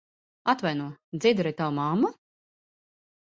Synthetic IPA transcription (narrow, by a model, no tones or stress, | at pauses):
at̪vajnuɔd̪ziːd̪ɛɾajt̪awumamːu